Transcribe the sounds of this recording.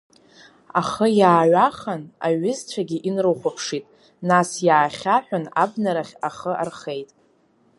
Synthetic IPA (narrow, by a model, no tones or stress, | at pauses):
aχəjaːɥaχana̰ɥʊzt͡sʷʰaɡʲiʔinrɨχʷapʰʂitʼ | nasjaːχʲaħʷᶣanabnaɾaχʲaχəʔa̰rχe̞jtʼ